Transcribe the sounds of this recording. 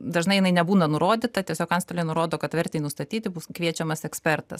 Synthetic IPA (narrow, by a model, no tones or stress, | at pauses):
d̪ɐʒnɐɪjɪnɐɪnʲɛbuːnɐnʊɾoːd̪ʲɪt̪ɐt̪ʲiɛsʲoːkɐnst̪ɐlʲeːnʊɾoːd̪oːkɐt̪ʋʲɛɾʲt̪ʲɛɪnʊst̪ɐt̪ʲiːt̪ʲɪbʊskʋʲiɛt͡ʃʲɛmɐsɛksʲpʲɛɾt̪ɐ̰s